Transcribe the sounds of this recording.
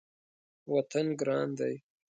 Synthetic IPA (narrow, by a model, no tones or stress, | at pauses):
wat̪anɡɾɑnd̪aj